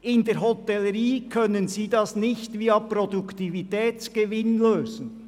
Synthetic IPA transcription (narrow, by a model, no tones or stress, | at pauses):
ɪndeːɾɦɔt̪ɛləɾiːkʰœnənziːdɑsnɪçtviːɑpɾɔdukt̪ivitɛːt͡sɡ̥əvɪnløːzn̩